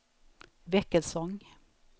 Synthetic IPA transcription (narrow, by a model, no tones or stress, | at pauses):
ʋɛkəlsɔŋ